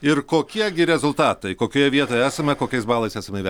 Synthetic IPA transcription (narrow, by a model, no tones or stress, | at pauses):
ɪrkoːkʲiɛɡʲɪɾʲɛzʊlˠt̪ɑːt̪ɐɪkoːkʲoːjɛʋʲiɛt̪oːjɛæːsɐmʲɛkoːkʲɛɪsbɑːlˠɐɪsæːsɐmʲɛɪʋʲɛ